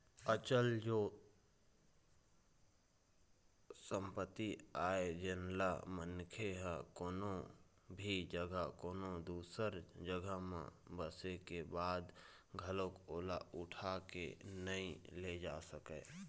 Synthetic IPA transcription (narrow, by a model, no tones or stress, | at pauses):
ət͡ʃəld͡ʒoː | sə̃mpət̪ːiaːed͡ʒənlamənkʰeɦɛkoːnõ | bʱid͡ʒəɡʱəkoːnod̪uːsəɾd͡ʒəɡəmḛ̃bəsekebaːd̪ | ɡʱəlõkoːlaʊʈʰakḛnəĩled͡ʒaːsəkeː